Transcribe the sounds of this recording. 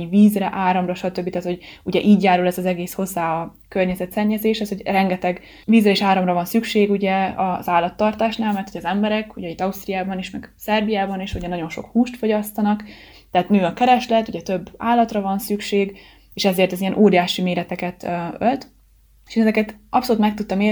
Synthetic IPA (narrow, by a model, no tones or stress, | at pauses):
iviːzrɛʔaːɾɒmrɒʃɒt̪øbːit̪aːt̪ho̞ɟuɟɛʔiːɟjaːɾulɛzɒzɛɡeːsho̞zːaːɒ | kørɲɛzɛt̪sɛɲːɛzeːʃhɛshoɟrɛŋɡɛt̪ɛɡ | viːzrɛeːʃaːɾɒmrɒvɒnsykʃeːɡuɟɛɒzaːlːɒt̪ːɒrt̪aːʃnaːlmɛrt̪ʰuɟɛɒzɛmbɛɾɛkuɟɛit̪ːɒust̪ɾijaːbɒniʃmɛɡ̥sɛrbijaːbɒniʃuɟɛnɒɟo̞nʃo̞̰khuːʃt̪fo̞ɟɒst̪ɒnɒk | t̪ɛɦːt̪nøːɒkɛɾɛʃlɛt̪ːuɟɛt̪øbːa̰ːlːɒt̪rɒvɒnsykʃeːɡ | eːʃɛzeːrt̪ɛzijɛnʔoːɾijaːʃimeːɾɛt̪ɛkɛt̪ølt̪ | e̥ʃenɛzɛkɛt̪ʔɒpsoluːt̪mɛk̚t̪ut̪ːɒmeː